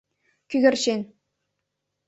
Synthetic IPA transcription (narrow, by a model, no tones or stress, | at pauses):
kʲyɡʲɘ̆rʲɕenʲ